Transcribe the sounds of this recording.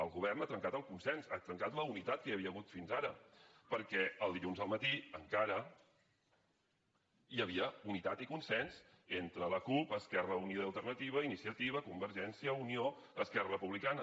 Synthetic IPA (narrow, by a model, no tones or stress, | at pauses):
əlˠɣuβɛrnat̪ɾəŋkat̪əlˠkunsɛnzat̪ɾəŋkat̪ləunit̪at̪̚kəjəβiəəɣut̪finzaɾəpəɾkɛəlˠd̪iʎunzðəlˠmət̪iəŋkaɾə | jəβ̞iəunit̪at̪ikunsɛnz | ent̪ɾələkupəskɛrəunioəlˠt̪ərnət̪iβ̞əinisiət̪iβəkumbəɾʒɛnsiəunioəskɛrərəpuβlikanə